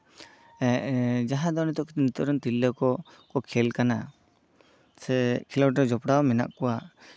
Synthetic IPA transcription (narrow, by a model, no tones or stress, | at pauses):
ɛʔd͡ʒaɦad̪ɔnit̪ɔʔkit̪ɛnit̪ɔɾɔnt̪ilːɔkɔ | kɔkʰɛlkana | sɛkʰilɔʈɔd͡ʒɔpɽawmɛna̰ʔkɔwa